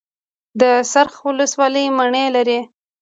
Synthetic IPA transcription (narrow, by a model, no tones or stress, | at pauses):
d̪əsaɾxwʊləswɑləjmaɳelaɾi